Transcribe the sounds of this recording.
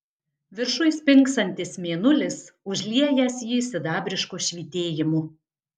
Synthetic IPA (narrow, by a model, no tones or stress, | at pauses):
ʋʲɪɾʃʊɪspʲɪŋˑksɐnʲt̪ʲɪsmʲeːnʊlʲɪsʊʒʲlʲiɛjɛsjɪsʲɪd̪ɑːbʲɾʲɪʃkuːʃʲʋʲiːt̪ʲeːjɪmuː